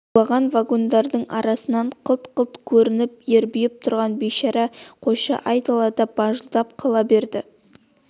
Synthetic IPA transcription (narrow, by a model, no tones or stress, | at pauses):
ɑʁɑnvaɡo̞nd̪ɑɾd̪əɴʔɑ̰ɾɑsənɑɴqʰəlˠt̪qʰəlˠt̪kʲʰɵɾɪnɪp̚je̞ɾbijɪp̚t̪ʰʊɾʁɑnbejʃɑɾɑqʰo̞ʃɑ̰ʔɑjt̪ɑlˠɑd̪ɑb̥ɑʒəlˠd̪ɑp̚qʰɑlˠɑbe̞ɾd̪ɪ